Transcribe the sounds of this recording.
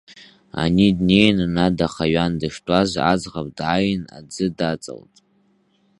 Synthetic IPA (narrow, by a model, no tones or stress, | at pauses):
a̰nidne̞jnnadaχaɥandɨʂtʼaza̰d͡zʁapʼdʕajɪna̰d͡zɨdat͡sʼa̰ltʼ